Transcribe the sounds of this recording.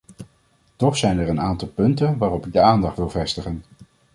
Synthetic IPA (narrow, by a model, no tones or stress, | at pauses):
tɔχsɛjnɛɹənaːntɑlˠpɵntənʋaːrɔpɪɡ̚dəaːndɑχtʋɪlˠvɛstəχən